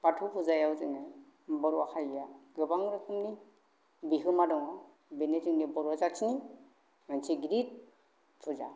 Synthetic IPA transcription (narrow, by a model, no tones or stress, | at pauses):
patʰupʰuzajawzɯŋa | bɔɾuaxajjaɡɯbaŋɾɯkʰɯmni | biɦɯmadɔŋa | benezɯŋnibɔɾɔzasʰini | mansiɡiɾit̚ | pʰuza̰